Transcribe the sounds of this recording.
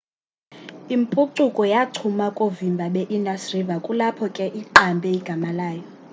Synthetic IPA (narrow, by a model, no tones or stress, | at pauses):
impʼuǀukʼɔjatʰumakʼovimbʱaɓɛʔindasrivakʼulapʰɔkʼɛʔiǃambʱɛiɡ̥ʱamalaːjɔ